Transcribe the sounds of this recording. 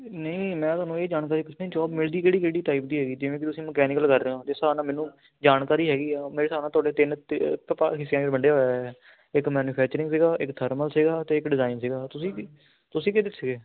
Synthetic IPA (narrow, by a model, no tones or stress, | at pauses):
nəĩːmɛ̃ːt̪ʊaːnũːeːd͡ʒaːnkaːɾiːkɪt͡ʃʰnaiːd͡ʒɔːbmɪld̪iːkeːɽiːkeːɽiːʈaːip̚d̪iːɦɛːɡiːd͡ʒɪʋẽːkɪt̪ʊsĩːməkɛːnɪkəlkəɾːeːãːd͡ʒɪsaːnaːmɛ̃ːnũː | d͡ʒaːnkaːɾiːɦɛːɡiːɛːmeːɾeːsaːɾnaːt̪ʊaːɖeːt̪ɪnkəpaːɦɪsːjãːeɾbəɳɖeːɦoːjaɛ | ɪkmɛːnuːpʰɛːkt͡ʃəɾɪ̃ŋɡs̬ɪːɡaːʔɪkt̪ʰəɾməlsiɡaːt̪eːɪkɖɪzaːiɪnsiːɡaːt̪ʊsĩː | t̪ʊsĩːkɪd̪ɪt̪ʰsəɡeː